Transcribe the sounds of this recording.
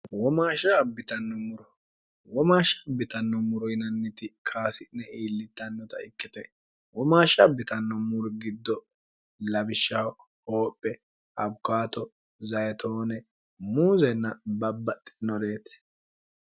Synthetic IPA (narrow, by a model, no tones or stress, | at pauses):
wɔmaːʃɐbːɪt̪ɐnːɔmʊɾɔ | wɔmaːʃɐbːɪt̪ɐnːɔmʊɾɔjnɐnːɪt̪ɪkʰaːsɪnɛiːlːɪt̪ːɐnːɔt̪ɐ̰ɪkːɪt̪ɛ | wɔmaːʃɐbɪt̪ɐnːɔmʊɾɡɪd̪ːɔ | lɐbɪʃːɐw | ho̞ːpʼːɛ | ʔɐbkaːt̪ɔ | zɐjɛt̪ʰo̞ːnɛ | muːzɛnːɐbɐbːɐt̪ʼːɪ̥nɔɾe̞ːt̪